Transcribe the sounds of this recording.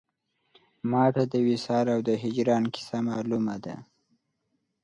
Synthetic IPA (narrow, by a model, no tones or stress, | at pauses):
mɑt̪ad̪əwɪsɑɾawd̪əɦɪd͡ʒɾɑnkɪ̥samɑlumad̪a̰